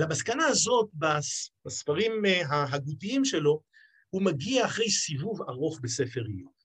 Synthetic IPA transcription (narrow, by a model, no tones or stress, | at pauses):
lamaskanaːzo̞t̪̚basmasfaʁimɦaɦaɡut̪iimʃe̞lo̞ | humaɡiaːχʁe̞jsivuvaʁo̞χbe̞se̞fe̞ʁiu